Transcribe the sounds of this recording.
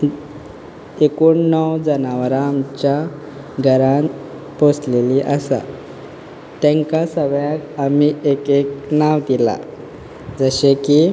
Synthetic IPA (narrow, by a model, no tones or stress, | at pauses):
ekuɳnəwd͡zənaʋɾãmt͡ɕja | ɡʱəɾã | posleliʔəsa̰ | t̪ɛ̃ŋkasəʋjakamiekeknaʋt̪ila̰ | d͡zəɕeki